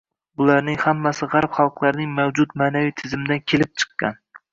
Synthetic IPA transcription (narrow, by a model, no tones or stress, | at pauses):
bʊlaɾnɪŋhamːasɪʁaɾpχɑlˠqlˠaɾnɪŋmawd͡ʒʊt̪maːnavijt̪ʰɪzɪmɪd̪ankʲʰelɪp̚t͡ʃʰɨ̥qːɑ̰n